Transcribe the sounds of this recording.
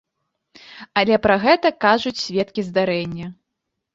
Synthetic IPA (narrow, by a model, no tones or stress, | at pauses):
alʲɛpɾɐɣɛt̪ɐkaʐut͡sʲsʲvʲɛt̪kʲizd̪aɾɛnʲːɐ